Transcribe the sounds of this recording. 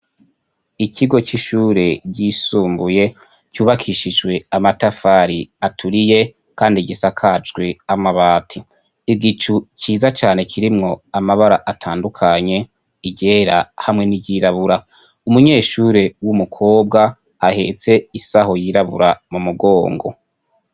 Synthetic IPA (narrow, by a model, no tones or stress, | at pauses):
icʰiɡo̞t͡ʃiʃuːɾe̞ɟisuːmbuje̞ | cuːβakʰiʃid͡ʒɡwe̞amatafaːɾiatʰuɾije̞ | kaːndiɟisakʰat͡ʃɡweamaβaːtʰi | iɡit͡ʃuciːzat͡ʃaːne̞kʰiɾimŋo̞amaβaɾaʔatʰaːndukʰaɲe̞ | iɟe̞ːɾahamŋe̞niɟiɾaβuɾa | umuɲe̞ːʃuːɾe̞wumukʰo̞ːbɡa | ahe̞̰t͡se̞isaho̞jiɾaβṵɾamumuɡo̞ːŋɡo̞̰